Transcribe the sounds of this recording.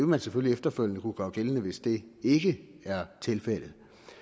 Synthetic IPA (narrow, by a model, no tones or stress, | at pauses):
eʋemænseføliefd̥ɐføl̰nəkuɡ̥ɶ̰ːɡ̥elənəʋe̝sd̥e̝e̝ɡ̥ə | æɐt͡sʰe̝lfel̰ð̩ˠ